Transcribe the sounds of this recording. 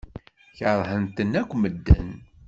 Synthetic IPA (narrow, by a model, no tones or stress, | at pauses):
çəɾˤhənt̪ənːækʷːməd̪ːə̰n